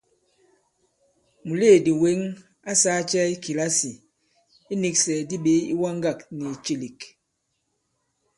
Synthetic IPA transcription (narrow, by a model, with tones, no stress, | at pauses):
mu˨le˦˨di˨we˦ŋ | a˦sa˦t͡ʃɛ˦i˦ki˨la˦si˨ | i˦ni˦k̚sɛ˨di˦ɓe˨˦ḭ˦wa˦ŋɡa˦˨k̚ni˨t͡ʃi˦li˨k